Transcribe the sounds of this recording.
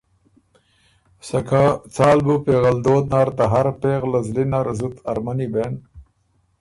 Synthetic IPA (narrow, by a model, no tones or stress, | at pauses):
sɐkat͡saːlbupeɣɐld̪oːd̪̚naɾt̪aɦaɾpeɣlɐzlinaɾzut̪ɐɾmanibeːn